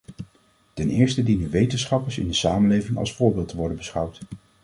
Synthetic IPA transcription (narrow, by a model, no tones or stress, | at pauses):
tɛnɪːɹstədinənʋejtənsχɑpəɹsɪ̰ndəsaːmənlejvɪŋɑ̰lˠsfʊːɹbɪːlˠtʰəʋɔɹdənbəsχʌwt